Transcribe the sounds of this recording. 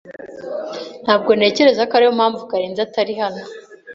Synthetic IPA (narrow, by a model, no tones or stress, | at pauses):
n̥haːb̚ɡo̞ne̞ːce̞ɾe̞zakaɾihomhaːɱvukaɾeːnzataɾihano